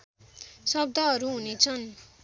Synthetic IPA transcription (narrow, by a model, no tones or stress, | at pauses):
sʌb̚d̪ʱʌɦʌɾuɦunet͡sʰʌn